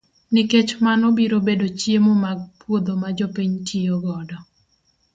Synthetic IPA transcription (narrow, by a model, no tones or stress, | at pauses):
niket͡ʃmanɔbiɾobedot͡ʃjemɔmaɡ̚pwod̪omad͡ʒɔpiɲtʰioɡɔdɔ